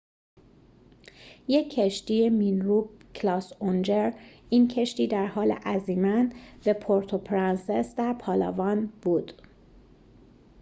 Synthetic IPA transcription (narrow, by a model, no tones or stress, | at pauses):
jecʰːeʃt̪ijeminɾuːb̚kʰlɒːsond͡ʒeɾiːncʰeʃt̪iːd̪æɾhɒːlḛʔæziːmænbepʰoɾt̪ʰopʰɾænsesd̪æɾpʰɒːlɒ̰ːvɒːnb̥uːd̪̥